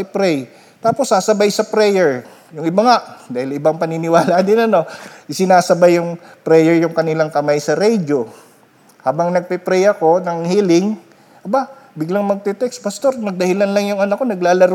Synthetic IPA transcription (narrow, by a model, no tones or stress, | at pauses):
ɪpɾɛj | t̪aːpo̞sːasɐbajsɐpɾɛjɛɹ | jʊŋɪbɐŋaʔd̪aːhɪlʔɪbaŋpɐnɪnɪwaːlad̪ɪnɐno̞ʔɪsɪnaːsɐbajːʊŋpɾɛjɛɹjʊŋkɐnɪlaŋkɐmajsɐɾɛjd͡ʒo | haːbɐŋnɐɡ̚pɛpɾɛjɐko̞nɐŋhiːlɪŋ | ʔɐbabɪɡlaŋmɐɡ̚t̪ɛt̪ɛkspɐst̪o̞ɾnɐɡ̚d̪ɐhɪlanlɐŋjʊŋɐnɐkːo̞nɐɡlaːlɐɾ